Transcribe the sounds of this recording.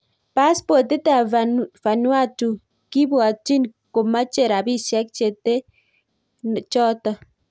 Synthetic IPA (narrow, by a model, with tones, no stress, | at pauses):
pa˦spɔ˨te˦ta˨va˨nwa˦tu˨ | ki˦bwa˨ti˦nko˨ma˦t͡ʃe˨ɾa˨bi˦ʃɛ˦k̚t͡ʃe˨te˦ | t͡ʃɔ˦ta˦˨